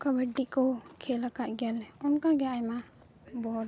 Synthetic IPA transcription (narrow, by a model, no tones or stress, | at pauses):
kabaɖikɔkʰɛlakaʔ̪̚ɡɛlɛɔnkaɡɛajma | bɔɾ